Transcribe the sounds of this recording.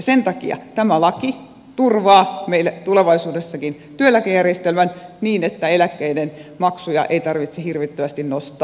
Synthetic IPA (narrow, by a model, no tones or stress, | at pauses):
jɑsent̪ɑkḭɑ̰t̪æmælɑki | t̪urʋɑːmeilæt̪uleʋɑisuːdesːɑkin | t̪yølːækejærjest̪elmænniːnet̪ːæelækːeidenmɑksujɑ̰ʔeit̪ɑrʋit̪sehirʋit̪ːøʋæst̪innost̪ˑɑː